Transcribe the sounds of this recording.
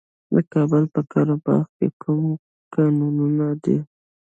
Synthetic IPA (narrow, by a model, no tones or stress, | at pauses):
d̪əkɑbəlpəkɑɾobɑ̰ɾkḛkʰum | kɑnununad̪i